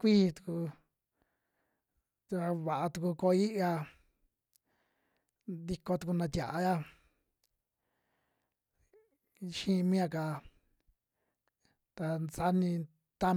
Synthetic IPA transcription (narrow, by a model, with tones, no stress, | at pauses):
kʷiː˦t̪u̥˧ku˧ | a˧βa˨ʔa˧t̪u˧ku˧ko˧i˦ʔa˧ | d̪i˧ko˧t̪u˧ku˧nã˧t̪ʲja̰˨ʔa˧ja˦ | ʃĩ˦˧mĩ˦a˧ka˨ | t̪a˧nt͡sa˦nĩ˧ | t̪a˦